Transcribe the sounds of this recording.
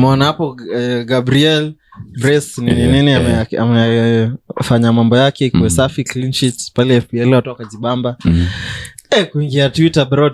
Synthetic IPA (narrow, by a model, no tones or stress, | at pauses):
mɛɔnahapɔɡabɾiɛlbɾɛsninininiamɛa̰mɛ | faɲamambɔjakɛkwɛsafiklinʃitspalɛɛfbiɛlatɔkaziɓamba | ɛkuiŋɡiatwitabɾɔd